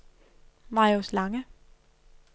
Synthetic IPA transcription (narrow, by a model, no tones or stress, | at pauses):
mɑ̈ɪoslɑ̈ŋə